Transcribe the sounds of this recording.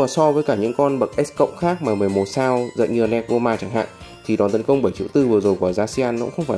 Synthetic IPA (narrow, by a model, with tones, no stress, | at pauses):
aː˨˩sɔ˧vəː˨˦jkaː˧˩ɲɨ̰˧˥ŋkɔ˧nɓə˨˩k̚ʔɛ˦˥skə̰˧˨wŋ͡mxaː˦˥k̚maː˨˩mɨ˨˩əjmo˨˩t̚saː˧wzə̰˧˨nɲɨ˧ə˧˩nɛ˧t̚vo˧maː˧t͡ɕaː˧˩ŋɦa̰ː˧˨ŋ | t̪ʰi˨˩ɗɔ˨˩nt̪ə˨˦nkə˧wŋ͡mɓə˧˩jt͡ɕḭ˧˥wt̪ɨ˧vɨ˨˩əzo˨˩jkɔː˧˩zaː˧si˧aː˧nːɔ̰˧˥ŋ͡mxə˧wŋ͡mfaː˧˩